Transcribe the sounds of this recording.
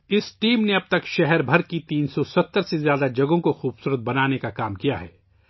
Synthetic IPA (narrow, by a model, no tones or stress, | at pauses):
ɪsʈiːmneɐb̚t̪ɐkʃɛɦɛɾbʱɐɾkit̪iːnsɔsɐt̪ːəɾsezjaːd̪ad͡ʒɐɡõkoxuːbsuːɾət̪̚bɐnaːnekakaːmkija̰ɦɛ̰ː